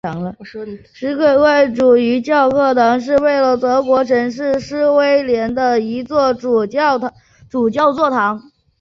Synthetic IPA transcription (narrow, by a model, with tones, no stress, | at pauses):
ŋlə˧ | ʂɻ̩˧˥ke˨˩ɪe˥˩ɪʈ͡ʂu˨˩y˧˥t͡ɕjɑ˥˩ʊkʰɤ˥˩t̪ʰɑ˧˥ŋʂ̬ɻ̩˥˧we˥˩ɪlə˩t̪ɤ˧˥kwɔ˧˥ʈ͡ʂʰɤ˧˥ŋʂɻ̩˥˩ʂɻ̩˥we˥ɪljɛ˧˥nd̪ə˧i˧˥t͡swɔ˥˩˥t | ʈ͡ʂu˨˩t͡ɕjɑ˥˧ʊt͡swɔ˥˩t̪ʰɑ˧˥ŋ